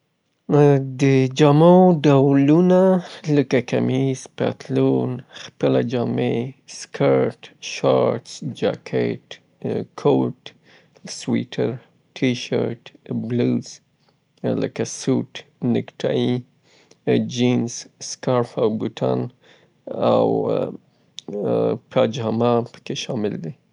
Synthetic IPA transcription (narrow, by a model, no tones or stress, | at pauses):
d̪əd͡ʒɑmoɖawlunaləkakamizpa̰t̪lonxpəlad͡ʒɑmeskʰaɾʈʃɑɾtsd͡ʒa̰kʰḛʈ | kʰoʈ | swiʈʰəɾ | ʈʰiʃəɾʈbluz̥ | ləkasuʈnɪkʈʰai | d͡ʒinzskaɾfawɡuʈʰa̰n | a̰w | pʰɑd͡ʒamapə̥keʃɑmɪld̪i